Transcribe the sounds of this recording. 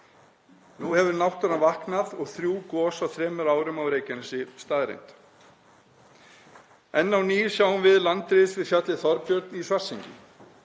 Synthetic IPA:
nuhɛvʏɾnawht̪ɔɾanvahknaðɔɣθɾjuːkɔːsawθɾɛːmʏɾaːwɾʏmawɾeːjcɪnɪsɪst̪aːðɾḛjnt̪ | ɛnːawni̥ːsjaːwʏnvɪðlant̪ɾɪðsvɪðfçjat̪lɪθɔɾpjœɾt̪nisvar̥siɲcɪ̰

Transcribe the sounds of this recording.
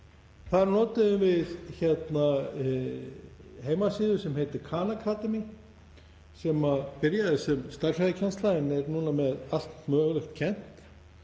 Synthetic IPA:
θaɾnɔːt̪ɪðʏmvɪðçɛt̪na | heːjmasɪːðʏ̥sɛmhejt̪ɪɾkʰaːnakʰaːt̪ɛmi | sɛːmapɪɾjaðɪsɛmst̪arsaðɪcʰɛnst̪lajɪnɛɾnuːnamɛðal̥t̪mœːɣlʏxt̪cʰɛn̥t̪

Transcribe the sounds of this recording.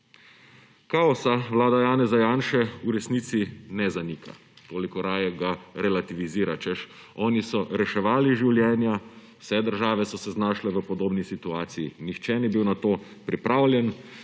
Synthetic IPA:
kaɔsaʋlaːd̪ajaːnɛzajaːnʃɛuɾɛsniːt̪sinɛzaniːkʰa̰ | t̪oːlikɔɾaːjɛɡaɾɛlat̪iʋiziːɾat͡ʃɛʃ | ɔːnisɔɾɛʃɛʋaːliʒiwljɛːnja | w̥sɛd̪əɾʒaːʋɛsɔsɛznaːʃlɛʋəpɔd̪oːbnisit̪uaːt̪sijḭnixt͡ʃɛnibiwnat̪oːpɾipɾaːwlʲjɛn

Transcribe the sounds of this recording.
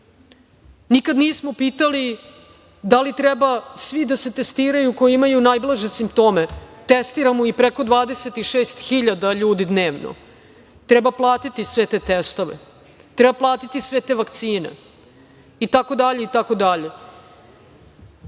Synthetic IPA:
nikad̪niesmopiːt̪ali | d̪alit̪ɾebasʋid̪ase̞t̪est̪iːɾajuko̞jiimajunaːjblˠaʒesimpt̪o̞ːmet̪est̪iɾamoipɾeko̞d̪ʋaːd̪eset̪iʃeːst̪xiʎad̪aʎuːd̪id̪ne̞ːʋno̰ | t̪ɾɛbaplˠaːt̪it̪isʋe̞t̪eːt̪est̪o̞ʋḛ | t̪ɾɛbaplˠaːt̪it̪isʋet̪eːʋakt̪siːnḛ | it̪ako̞d̪aʎeit̪ako̞d̪aʎe

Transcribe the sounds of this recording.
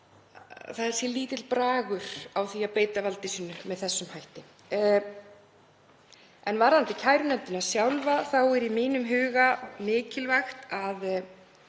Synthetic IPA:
θaðɛɾ̥sjɛliːt̪ɪt̪lpɾaːɣʏɾ̥awθiapeːjt̪avalt̪ɪsiːnːʏmɛðθɛsːʏmhajht̪ɪ | ɛnvaɾant̪ɪcʰaːjɾʏnɛnt̪ɪnasjawlvaθawɛɾimiːnʏmɦʏːɣamɪːcɪlvaxt̪að

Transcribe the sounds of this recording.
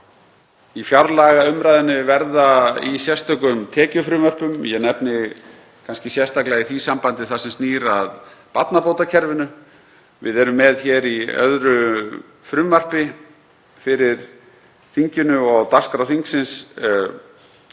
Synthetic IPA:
ifjawɾlaɣaʏmɾajðɪnɪvɛɾðaisjɛst̪œkʏmt̪ʰɛːcʏfɾʏːmœr̥pʏmjɛɣnɛpnɪ | kʰanscɪsjɛst̪aklaɣiθvisampant̪ɪθasɛmsniːɾaðpat̪napoːwt̪acʰɛɾvɪnʏ | vɪ̰ðɛɾʏmːɛðçɛɾiœ̰ðɾʏ | fɾʏːmar̥pɪ | fɪɾɪɾ̥ | θiɲcʏnʏɔɣt̪askɾaθiŋksɪns

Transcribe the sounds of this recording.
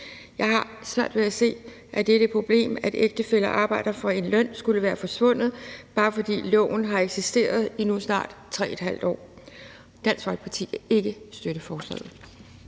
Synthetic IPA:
jɑ̈ɪɦɑ̈ | sʋæɐ̰d̥ʋeðˠæse̝̰ː | ʔæd̥eɾ̥əpʰʁo̝b̥le̝̰ːmæd̥eɡ̥̚d̥əfel̰ɐʔɑ̈ːb̥ɑ̈ɪ̰d̥ɐfɑe̝nlœn̰sɡ̥uləʋæːɐfɒ̽sʋɔ̽n̰ð̞̩ˠb̥ɑ̈ːfɒ̽d̥ḭːlɔ̰ʊn̩ɦɑ̈eɡ̥sisd̥e̝̰ːɐð̞ˠinusnɑ̰̈ːd̥t͡sʰʁɛ̰ːed̥hæl̰d̥ɒ̰ː | d̥æn̰sɡʋɒ̽l̥̚pʰɑ̈t͡sʰḭːæe̝ɡ̥əsd̥øɾ̥əfɒːslɛ̰ð̩ˠ

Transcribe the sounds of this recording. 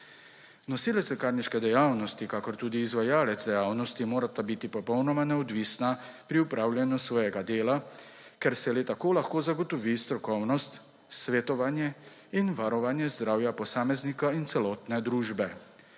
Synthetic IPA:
nɔsiːlɛsɛkaːɾniʃkɛd̪ɛjaːwnɔst̪ikaːkɔɾt̪uːd̪iːzʋajaːlɛd̪zd̪ɛjaːwnɔst̪imoːɾat̪abit̪ipɔpɔwnɔmanɛɔd̪ʋisnapɾiupɾaːwlʲjanjusʋɔːjɛɡad̪eːlakɛɾsɛlet̪akoːlaxkoːzaɡɔt̪ɔʋist̪ɾɔkɔwnɔst̪ | sʋɛt̪ɔʋanjɛ | inʋaɾɔʋaːnjɛzd̪ɾaːwjapɔsaːmɛznikaint̪sɛlɔːt̪nɛd̪ɾuːʒbɛ

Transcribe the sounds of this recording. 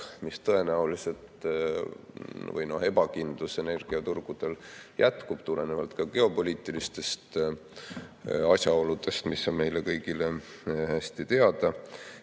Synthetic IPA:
mist̪ɤe̞næulise̞lt̪ | vɤ̰jno̞̰he̞bɑkind̪̥luse̞ne̞rɡ̥iɑt̪urɡ̥ud̪̥e̞ljæt̪kub̥t̪ule̞nevɑlt̪kɑɡ̥e̞o̞po̞lʲiːt̪ːˑilist̪e̞st̪ | ɑsʲjɑo̞lud̪̥e̞st̪misːonme̞jlekɤjɡilehæsʲt̪it̪e̞ɑd̪̥ɑ

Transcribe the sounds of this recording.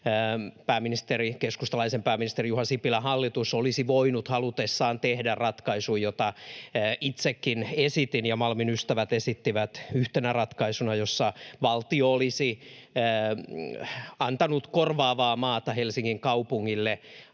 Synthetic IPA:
pæːminist̪erikeskust̪ɑlɑisempæːminist̪erijuhɑsipilæhɑlːit̪usolisiʋoinut̪hɑlut̪esːɑːnt̪ehdærrɑt̪kɑisujjot̪ɑː | it̪sekːinesit̪injɑmɑlminyst̪æʋæt̪esit̪ːiʋæt̪yht̪enærɑt̪kɑisunɑjosːɑʋɑlt̪ioolisiəː | ɑnt̪ɑnut̪korʋɑːʋɑːmɑːt̪ɑhelsiŋːiŋkɑupuŋːilːe

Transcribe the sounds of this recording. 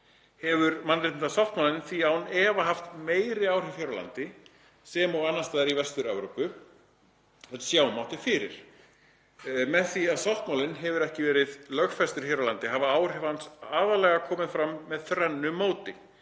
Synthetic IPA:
hɛvʏɾmanːɾɪt̪nt̪asawht̪mawlɪnθiawnɛːvaɦaft̪meːjɾɪaːwr̥ɪfçjaɾala̰nt̪ɪ | sɛmɔɣanːast̪aːðɪɾivɛst̪ʏɾɛwɾowpʏ | θɛt̪sjaːwmawht̪ɪfɪːɾɪɾ̥ | mɛðθiaðsawht̪mawlɪnɦɛvʏɾɛhcɪvɛːɾɪðlœxfɛst̪ʏɾ̥çaɾalant̪ɪɦavaaːwr̥ɛvhansaːðalɛɣakʰɔːmɪðfɾamːɛðθɾɛnːʏmoːwt̪ɪ

